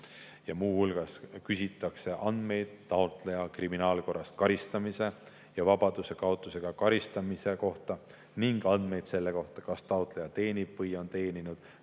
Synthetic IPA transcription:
jɑmuːhulɡ̥ɑskysʲit̪ːˑɑkse̞ʔɑnd̪̥me̞jd̪̥̚t̪ːɑot̪ˑlejɑkriminɑːlko̞rːɑst̪̚kɑɾist̪ɑmise̞ | jɑvɑb̥ɑd̪̥use̞kɑot̪ˑːuse̞ɡ̥ɑkɑɾist̪ɑmise̞ko̞ht̪ɑ | niŋɡ̥ɑnd̪̥me̞jd̪̥se̞lːe̞ko̞ht̪ɑ̥kɑst̪ɑot̪ˑlejɑt̪e̞ːnib̥vɯjo̞nt̪e̞ːninud̪̥

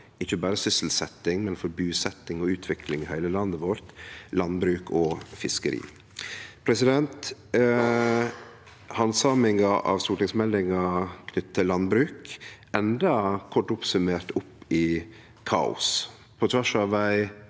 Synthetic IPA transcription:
ɪçːəbɑːɾəsʏsl̩sɛt̪ːɪŋmɛnfɔɾbʉːsɛt̪ːɪŋɔʉːt̪ʰʋɪkʰlɪŋɪhæɪləlɑnːəʋɔɾt̪lɑnbɾʉːkʰɔfɪskəɾḭː | pʰɾɛsɪd̪ɛnt̪ | hɑnsɑːmɪŋɑʔɑ̰ʋst̪uːʈɪŋsmɛlːɪŋɑkʰnʏt̪ːt̪ʰɪlːɑnbɾʉːk | ɛnd̪ɑkʰɔʈːʊpsʉmeːɾt̪ʊpːɪ | kʰɑ̰ːʊ̰s | pʰɔt̪ʰʋæʂɑːʋʋæɪ

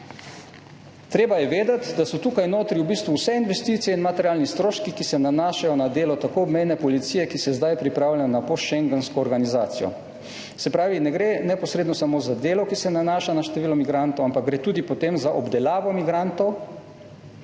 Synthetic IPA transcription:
t̪ɾeːbajɛʋeːd̪at̪d̪asɔt̪uːkajnoːt̪ɾiwbiːst̪ʋuwsɛinʋɛst̪it̪sijɛinmat̪ɛɾjaːlnist̪ɾoːʃkikisɛnanaːʃajɔnad̪eːlɔt̪akoɔbmɛjnɛpɔlit̪siːjɛkisɛzd̪ajpɾipɾaːwlʲajɔnapoʃɛŋɡənskɔːɾɡanizaːt̪sijɔ̰ | sɛpɾaːʋinɛɡɾenɛpɔsɾeːd̪nɔsamoːzad̪eːlɔkisɛnanaːʃanaʃt̪ɛʋiːlɔmiɡɾant̪ɔwampak̚ɡɾeːt̪uːd̪ipɔt̪eːmzaʔɔbd̪ɛlaːʋɔmiɡɾant̪ɔw

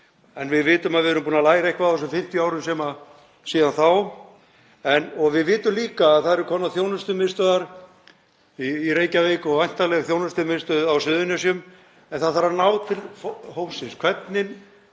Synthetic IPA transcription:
ɛnvɪðvɪːt̪ʏmaðɪɛɾʏmpuːnalaːjɾaejhkvaðθɔs̬ʏmfɪm̥t̪jiaːwɾʏmsɛːma | siːðanθaw | ɛnɔɣvɪðvɪːt̪ʏmliːkaːðθaðɛɾʏkʰɔnːaθjoːwnʏst̪ʏmɪst̪œðaɾ | iːɾeːjcaveːkɔajn̥t̪alɛɣθjoːwnast̪ʏmɪst̪œðawsʏðʏnʏsjʏm | ɛnθaðθaɾaɾnaːwt̪ʰɪlfhowsɪnskʰvɛt̪nɪn

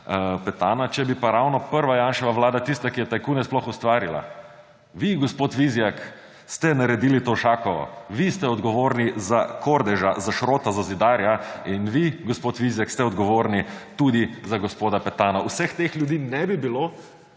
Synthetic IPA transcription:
pɛt̪aːnat͡ʃɛbipaɾawnɔpəɾʋajaːnʃɛʋaʋlaːd̪at̪ist̪akijɛt̪ajkuːnɛsplɔxust̪ʋaːɾila̰ | ʋiɡɔspoːt̪ʋizjak | st̪ɛnaɾɛd̪iːlit̪oːʃaːkɔʋɔ̰ʋist̪ɛɔd̪ɡɔʋoːɾnizakʰoɾd̪ɛʒazaʃɾoːt̪azazid̪aːɾjainʋiɡɔspot̪ʋizjakst̪ɛɔd̪ɡɔʋoːɾnit̪ud̪izaɡɔspoːd̪apɛt̪aːnausɛxt̪exljud̪iːnɛbibiloː

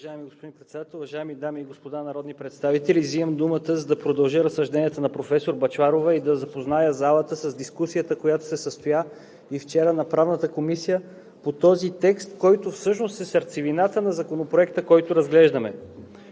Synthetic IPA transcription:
vɐʒaɛmiɡospod̪inpɾɛt̪sɛd̪at̪ɛlˠʊvɐʒaɛmid̪amiːɡospod̪anɐɾɔd̪nipɾɛt̪st̪avit̪ɛliziəmd̪umət̪əzɐd̪ɐpɾod̪ɐlˠʒəɾəsːɐʒd̪ɛnʲiɛt̪ənɐpɾofɛsoɾbɐt͡ʃaɾovəid̪ɐzɐpoznajəzalˠət̪əsəzd̪iskusijət̪əkojat̪o̥sɛsəst̪oja | ift͡ʃɛɾənɐpɾavnət̪əkomisijə | pot̪ɔzit̪ɛkst̪kɔjt̪ofsɤʃnost̪ɛsɐɾt̪sivinat̪ənɐzɐkonopɾoɛkt̪əkɔjt̪oɾɐzɡlɛʒd̪ɐmɛ

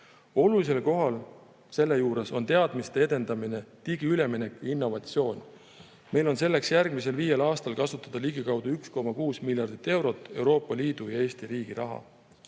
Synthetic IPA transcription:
o̞lulis̬e̞lko̞ɦɑl | se̞lːe̞juːɾe̞so̞̰nt̪e̞ɑd̪̥mist̪ee̞d̪e̞nd̪̥ɑmine̞t̪iɡ̥iyle̞mine̞kːjɑinːo̞vɑt̪sio̞ːn | me̞jlo̞nse̞lːe̞ksjærɡ̥mis̬e̞lviːje̞lɑːst̪ɑlkɑsut̪ːˑɑd̪̥ɑliɡikɑwd̪̥uyksko̞mɑkuːsmiljɑrd̪̥it̪ːe̞wɾo̞t̪ːˑe̞wɾo̞ːpːˑɑliːd̪̥ujɑe̞ːst̪iɾiːɡ̥iɾʔɑ̰ɦɑ̰

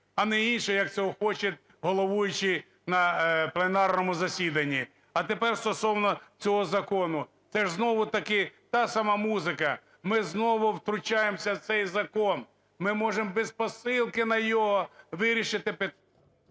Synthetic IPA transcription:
ɐnɛinʃɛjɐk̪̚t͡sʲɔɦɔxɔt͡ʃɐt̪ʲ | ɦɔlˠɔʋujʊt͡ʃɪ | nɐplˠenɑrnɔmʊzɐsʲid̪ɐnʲːi | ɐt̪epɛrst̪ɔsɔwnɔt͡sʲɔɦɔzɐkɔnʊ | t̪sɛʒznɔʋʊt̪ɐkɪt̪ɑsɐmɑmuzɪkɐ | mɪznɔʋʊwt̪ɾʊt͡ʃajemsʲɐwt̪sɛjzɐkɔn | mɪmɔʒembɛspɔsɪlˠkɪnɐjɔɦɔʋɪɾʲiʃɪt̪ɪpet̪

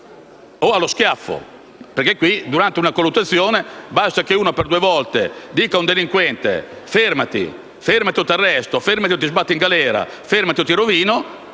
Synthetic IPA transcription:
oaloskjafːo̰ | perkːekːwid̪uɾant̪eunakolːut̪ːat̪sːjoːnebast̪akeuːnapeɾd̪uevɔlt̪ḛd̪iːkaund̪eliŋkwɛnt̪ḛ | fermat̪ḭ | feɾmat̪iot̪arːɛst̪ofeɾmat̪iot̪ːizbat̪ːiŋɡalɛːɾa̰ | feɾmat̪iot̪iɾoviːno

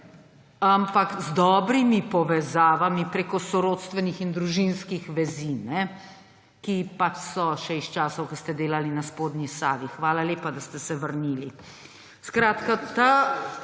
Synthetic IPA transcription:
ampakzd̪ɔːbɾimipɔʋɛzaːʋamipɾeːkɔsɔɾoːt̪st̪ʋɛnixind̪ɾuʒinskixʋɛzinɛ | kipat͡ʃsɔʃɛist͡ʃaːsɐwkəst̪ɛd̪eːlalinaspoːd̪nisaːʋixʋaːlaleːpad̪ast̪ɛsɛʋəɾniːli | skɾaːt̪kat̪a

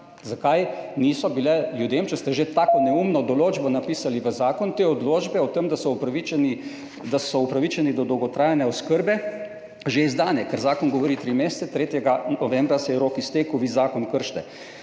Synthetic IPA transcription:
zakajniːsɔbilɛljud̪eːmt͡ʃɛst̪ɛʒet̪aːkɔnɛumnɔd̪ɔloːd͡ʒbɔnapiːsaliʋəzaːkɔnt̪eːɔd̪loːd͡ʒbɛɔt̪əmd̪asɔupɾaʋit͡ʃɛni | d̪asɔupɾaʋit͡ʃɛnid̪ɔd̪ɔwɡɔt̪ɾaːjanɛɔskəɾbɛ | ʒeizd̪aːnjɛkəɾzaːkɔnɡɔʋɔɾiːt̪ɾimeːst̪sɛt̪ɾeːt̪jɛɡaɔʋɛ̃mbɾasɛjɛɾoːkist̪eːkəwʋiːzaːkɔnkəɾʃt̪ɛ

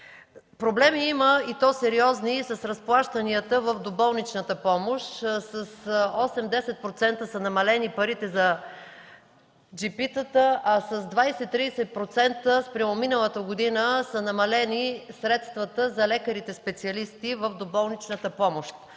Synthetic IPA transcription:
pɾoblɛmiiməit̪ɔsɛɾiɔznisɐsɾɐsplˠaʃt̪əniət̪əvəvd̪obɔlˠnit͡ʃnət̪əpɔmoʃt̪səsɔsɛmd̪ɛsɛt̪̚pɾot̪sɛnt̪əsɐnɐmɐlɛnipɐɾit̪ɛzɐ | d͡ʒipit̪ət̪əʔɐsɐzd̪vajsɛt̪ːɾisɛt̪̚pɾot̪sɛnt̪əspɾɐvominəlˠət̪əɡod̪inəsɐnɐmɐlɛnisɾɛt̪st̪vɐt̪əzɐlɛkəɾit̪ɛspɛt̪siɐlist̪ivəvd̪obɔlˠnit͡ʃnət̪əpɔmoʃt̪̚

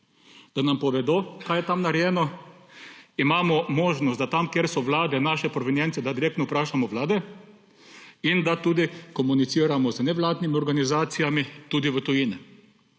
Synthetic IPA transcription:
d̪̥anampɔʋɛd̪oːkaːjɛt̪amnaɾɛjɛːnɔ | imaːmɔmɔːʒnɔst̪̚d̪at̪amkjeɾsɔʋlaːd̪ɛnaːʃɛpɾɔʋɛnjɛntsɛd̪ad̪iɾek̚t̪nɔupɾaːʃamɔʋlaːd̪ɛ | ind̪at̪uːd̪ikɔmunitsiːɾamɔznɛʋlaːd̪nimiɔɾɡanizaːt̪sijamit̪uːd̪iʋət̪ʊjinɛ

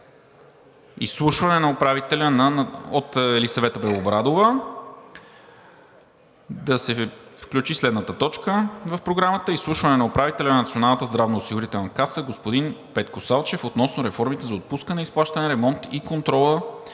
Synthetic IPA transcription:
ḭslˠuʃvɐnɛnɐopɾavit̪ɛlʲənɐot̪ɛlisɐvɛt̪əbɾɛlˠobɾad̪ovə | d̪ɐsɛfklʲut͡ʃislɛd̪nət̪ət̪ɔt͡ʃkəvəfpɾoɡɾamət̪əislˠuʃvɐnɛnɐopɾavit̪ɛlʲɐnɐnɐt̪sionalˠnət̪əzd̪ɾavnoːsiɡʊɾit̪ɛlˠnɐkasəɡospod̪inpɛt̪kosalˠt͡ʃɛfot̪nɔsnoɾɛfɔɾmit̪ɛzɐot̪̚puskənɛisplˠaʃt̪ənɛɾɛmɔnt̪ikont̪ɾɔlˠə

